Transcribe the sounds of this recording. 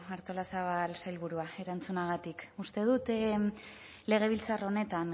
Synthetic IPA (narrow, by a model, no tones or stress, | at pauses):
aɾt̪o̞lasaβalsajlβuɾuae̞ɾant͡sunaɣ̞at̪ikust̪e̞ðut̪ | le̞ɣ̞e̞β̞ilt͡saro̞ne̞t̪an